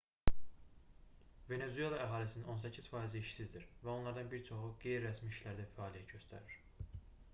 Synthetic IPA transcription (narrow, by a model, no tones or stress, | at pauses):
ve̞ne̞zue̞lˠɑæɦɑːlisinino̞nsæcʰiz̥fɑːiziiʃsizd̪iɾvæo̞nlˠɑɾd̪ɑnbiɾt͡ʃʰo̞xuɡ̥e̞jɾiɾæsmiiʃlæɾd̪æfæɑːlijæt̪ɟø̞st̪ʰæ̰ɾiɾ̥